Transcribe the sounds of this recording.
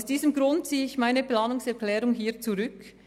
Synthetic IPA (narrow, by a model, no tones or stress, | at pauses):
sd̥iːzəmɡʁʊnt̚t͡siːəɪçmaɪnəplaːnʊŋsɛɐklɛːɾʊŋɦiːɐt͡suʁʏk